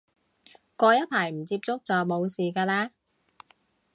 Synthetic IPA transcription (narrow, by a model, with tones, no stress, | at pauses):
kʷɔː˧jɐ˥t̚pʰaː˨˩jm̩˨˩t͡siː˧p̚t͡sʊ˥k̚t͡sɔː˨mo˨˧wsiː˨kaː˧laː˥